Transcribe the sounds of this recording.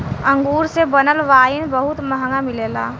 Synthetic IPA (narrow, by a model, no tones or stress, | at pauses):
ə̃ŋɡuːɾsebənəlʋaːinbəɦʊt̪məɦŋɡamɪleːla̰ː